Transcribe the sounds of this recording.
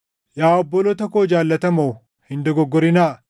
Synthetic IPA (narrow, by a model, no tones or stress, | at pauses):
jaːɔbːɔlɔt̪ɐkoːd͡ʒaːlːɐt̪ɐmɐw | hɪnd̪ɔɡɔɡːɔɾɪnaː